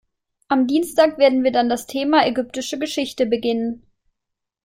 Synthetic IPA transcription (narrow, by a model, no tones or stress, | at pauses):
ʔamdiːnstaːkv̥eːɐdn̩viːɐdandastʰeːmaɛɡʏp̚tɪʃəɡəʃɪçtəbəɡɪnən